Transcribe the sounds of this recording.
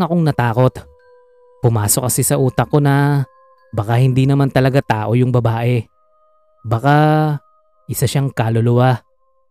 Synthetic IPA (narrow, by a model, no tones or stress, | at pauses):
ŋɐkoŋnɐt̪aːko̞t̪ | pʊmaːsok̚ːɐsɪsɐʔuːt̪ɐkːo̞nɐ | bɐkahɪnd̪inɐmant̪ɐlɐɡat̪aːʔo̞jʊŋbɐbaːʔɛ | bɐka | ʔɪsaʃaŋkaːlolʊwa